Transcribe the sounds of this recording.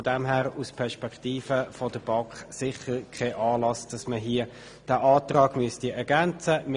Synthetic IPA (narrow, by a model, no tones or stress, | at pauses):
ɔdɛmɦæːʁuspʰɛʁʃpɛktiːfəfodəb̥ɑŋkχsɪχəɾkʰɛʔɑːlɑsd̥ɑsməɦiə | d̥æːʔɑːtʁɑːɡ̥myəstiɛɾɡænt͡səm